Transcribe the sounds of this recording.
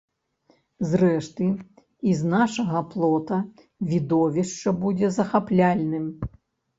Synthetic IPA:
zrɛʂt̪ɨ | iznaʂɐɣɐplˠɔt̪ɐ | vʲid̪ɔvʲiʂt͡ʂɐbud͡zʲɛzɐxaplʲalʲnɨm

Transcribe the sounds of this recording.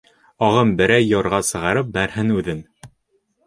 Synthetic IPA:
ɒʁɤmbɘ̆ɾæjːɑɾʁɑsɤ̆ʁɑɾɤp̚bæɾhɘnʉðɘn

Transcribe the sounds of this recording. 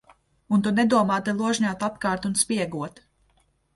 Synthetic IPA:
unt̪unɛd̪uɔmaːt̪ɛlˠuɔʒɲaːt̪at̪kɑːɾt̪unspʲiɛɡuɔt̪

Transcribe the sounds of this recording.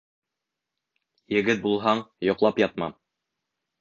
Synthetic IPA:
jɘ̆ɡɘt̪̚bulˠɦɑɴjŏqlˠɑpjɑt̪̚mɑ̰m

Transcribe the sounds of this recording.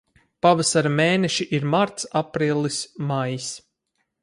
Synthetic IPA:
pavasaɾameːnɛʃiʔiɾmaɾt̪sapɾiːlˠismajis

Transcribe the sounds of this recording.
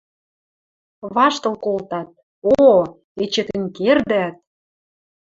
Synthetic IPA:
βɑʃt̪ɤ̆lˠkolt̪ɑt̪̚ | o | et͡ɕĕk̪ɘ̆nkerd̪æt̪̚

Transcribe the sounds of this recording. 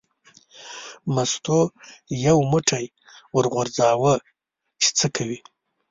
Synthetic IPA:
mast̪ojawmuʈʰaj | wəɾʁoɾd͡zɑwə | t͡ʃe̥t͡səkʰawi

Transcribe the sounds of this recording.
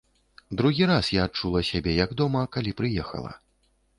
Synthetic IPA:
d̪ɾuɣʲiɾasjaːt͡ʂulˠɐsʲabʲɛjɐɡd̪ɔmɐkalʲipɾɨjɛxɐ̰lˠɐ̰

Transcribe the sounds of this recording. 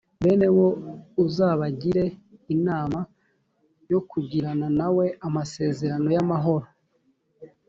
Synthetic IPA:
βe̞ːne̞wo̞uzaːβaɟiɾe̞inaːma | jo̞kuɟiɾananawe̞amase̞ːze̞ɾano̞jamaɦo̞ɾo

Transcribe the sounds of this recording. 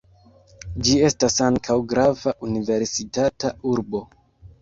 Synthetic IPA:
d͡ʒie̞stasaŋkʰawɡɾavaʔunive̞ɾsitatauɾbo̞

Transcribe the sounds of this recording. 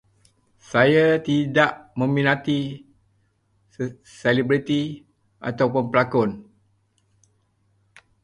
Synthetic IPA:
sajat̪idaʔmə̃mĩnat̪i | selibɾit̪i | ʔa̰t̪awpʊnpəlakʊn

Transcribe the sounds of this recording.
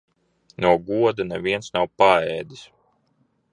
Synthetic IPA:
nuɔɡuɔd̪anɛviɛnsnawpaɛːd̪is

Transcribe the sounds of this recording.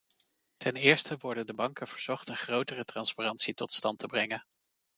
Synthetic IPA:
tʰɛnɪːɹstəʋɔɹdəndəbɑŋkəv̥əɹz̥ɔχtənχrowtərətrɑnsparɑntsitɔtstɑntəbrɛŋən

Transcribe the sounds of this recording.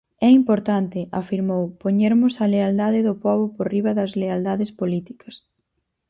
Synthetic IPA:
ɛimpoɾt̪ant̪ɪʔa̰fiɾmowpoɲeɾmʊsɐleald̪aðɪðʊpɔβʊporiβɐðɐzleald̪aðɪspolit̪i̥kɐs

